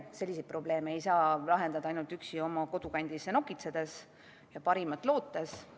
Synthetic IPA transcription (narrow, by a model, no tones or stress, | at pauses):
se̞lʲːis̬et̪̚pro̞ble̞ːmeejsɑːlɑɦe̞nd̪̥ɑd̪ɑɑjnult̪yksio̞mɑko̞d̪ukɑnʲd̪̥isːeno̞kːˑit̪se̞d̪̥e̞s | jɑpɑɾimɑt̪ːˑlo̞ːt̪ːˑes